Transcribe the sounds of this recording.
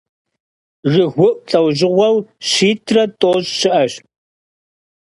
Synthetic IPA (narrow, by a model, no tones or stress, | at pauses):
rɨɣʷʊʔʷt͡sʼɐwʑɪʁʷɐwʃiːtʰrɐtʼoːʑɕɪʔɐɕ